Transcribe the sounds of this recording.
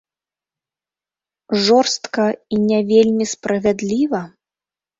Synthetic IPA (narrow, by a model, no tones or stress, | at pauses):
ʐɔrst̪kɐinʲɛvʲelʲmʲispɾɐvʲad̪lʲivɐ